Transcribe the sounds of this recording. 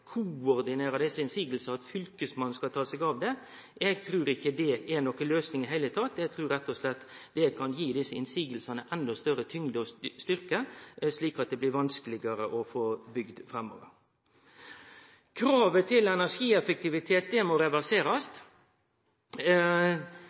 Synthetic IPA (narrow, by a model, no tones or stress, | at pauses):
kʰʊɔɾd̪ɪneːɾɑd̪ɪsəɪnsiːɡəlsɑɑt̪fʏlkəsmɑnskɑt̪ʰɑːsɛɡɑːʋd̪ɛ | ɛɡt̪ʰɾʉːɾɪçːəd̪ɛɛnɔkəløːsnɪŋɪɦæɪət̪ʰɑt̪ːɛɡ̚t̪ʰɾʉːɾɛt̪ːɔslɛt̪ːd̪̥ɛkʰɑnjiːd̪ɪsəɪnsiːɡəlsɑnəʔɛnːɔst̪œɾət̪ʰʏŋd̪ɔst̪ʏɾkəsliːkɑt̪̚d̪ɛblɪɾʋɑnskəlɪɡəɾəʔɔfoːbʏɡd̪fɾɛmːɔ̰ːʋəɾ | kʰɾɑːʋət̪ʰɪlɛnæʂiːɛfək̚t̪ɪʋɪt̪ʰeːt̪̚d̪ɛmɔɾɛʋæɾseːɾɑst̪